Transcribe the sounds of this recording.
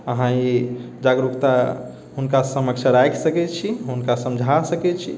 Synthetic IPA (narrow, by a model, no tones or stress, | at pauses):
əɦãid͡ʒaɡɾukt̪a | ɦunkasəməkt͡ʃʰəɾajksəkɛt͡ʃʰiɦunkasəmd͡ʒʱasəkɛt͡ʃʰi